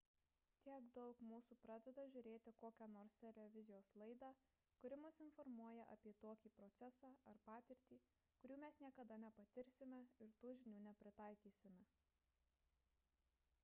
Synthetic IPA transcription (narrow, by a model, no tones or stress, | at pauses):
t̪ʲiɛɡd̪ɒʊkmuːsuːpɾɑːd̪ʲɛd̪ɐʒʲʊɾʲeːt̪ʲɪkoːkʲænoːɾst̪ʲɛlʲɛʋʲɪzʲɪjoːslˠɐɪd̪ɑː | kʊɾʲɪmʊsɪnfɔɾmuɔjɛʔɐpʲiɛt̪oːkʲiːpɾɔt̪sʲɛsɑːɐɾpɑːt̪ʲɪɾʲt̪ʲiː | kʊɾʲuːmʲɛsnʲiɛkɐd̪ɐnʲɛpɐt̪ʲɪɾʲsʲɪmʲɛɪɾt̪uːʒʲɪnʲuːnʲɛpʲɾʲɪt̪ɑˑɪkʲiːsʲɪmʲɛ